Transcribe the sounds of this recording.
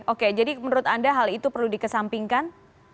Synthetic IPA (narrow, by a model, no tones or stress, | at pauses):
oked͡ʒadimənuɾʊt̪andaɦalit̪upərludikəsampiŋkan